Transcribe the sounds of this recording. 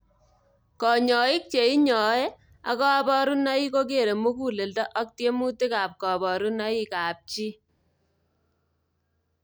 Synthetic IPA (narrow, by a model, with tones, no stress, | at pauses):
kɔ˨ɲɔ˨ɪ˦k̚t͡ʃe˨i˦ɲɔ˨ɛ˦ | a̰˨kɔ˦a˦bɔ˦ɾu˦na˦i˦ko˦k̬e˨ɾe˨mu˦ku˦˨le˨ldɔ˦ʔa˦k̚tje˦mu˦te˦ka˨p̚kɔ˨bɔ˨ɾu˦na˦i˦ka˨p̚t͡ʃi˦